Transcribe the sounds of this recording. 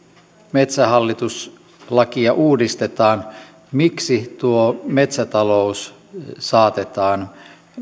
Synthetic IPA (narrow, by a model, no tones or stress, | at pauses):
me̞t̪sæɦɑlːit̪us | lɑkiɑʔuːdist̪et̪ɑːn | miksit̪uome̞t̪sæt̪ɑlo̞us | sɑːt̪et̪ɑːn